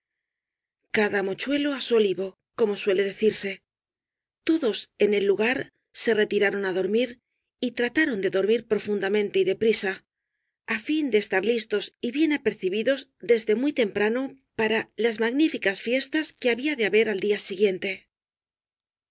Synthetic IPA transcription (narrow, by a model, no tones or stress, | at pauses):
kaðamo̞t͡ʃwe̞lo̞aso̞liβo̞ | ko̞mo̞swe̞le̞ðe̞θiɾse̞ | t̪o̞ðo̞se̞ne̞lːuɣaɾ | se̞re̞t̪iɾaɾo̞naðo̞ɾmiɾ | it̪ɾat̪aɾo̞nd̪e̞ðo̞ɾmiɾpɾo̞fund̪amẽnt̪e̞iðe̞pɾisa | afind̪e̞ːst̪aɾlist̪o̞siβje̞nape̞ɾθiβiðo̞zd̪e̞zðe̞mujt̪e̞mpɾano̞ | paɾalazmaɣnifikasfje̞st̪aske̞aβiaðe̞aβe̞ɾald̪iasiɣje̞nt̪e̞